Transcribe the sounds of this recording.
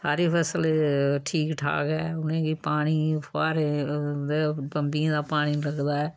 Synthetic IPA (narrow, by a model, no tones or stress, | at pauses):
saːɾiːpʰɛːsəlʈʰiːkʈʰa̰ːkɛːʊnẽːɡiːpaːɽ̃iːpʰaːɾed̪eːpəmbĩd̪aːpaːɽ̃iːləɡd̪aːɛː